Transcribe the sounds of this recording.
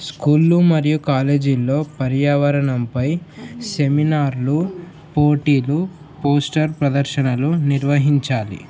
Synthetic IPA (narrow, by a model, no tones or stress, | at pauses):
skuːlːumɐɾijukaːle̞ːd͡ʒilːo̞ːpɐɾjaːʋɐɾɐɳɐmpɐjse̞minaːɾlu | poːʈiːlu | poːsʈɐɾpɾɐd̪ɐɾʃɐnɐluniɾʋɐɦiɲt͡ʃaːlḭ